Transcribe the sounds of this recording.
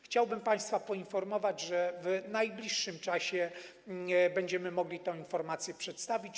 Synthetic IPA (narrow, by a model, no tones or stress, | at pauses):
xt͡ɕawbɘmpãj̃st̪fapɔinfɔɾmɔvad͡ʑʐɛvnajblʲiʂːɘmt͡ʂaɕɛ | bɛɲd͡ʑɛmɘmɔɡlʲit̪ɛ̃w̃infɔɾmat̪sʲjɛpʂɛt̪st̪avʲit͡ɕ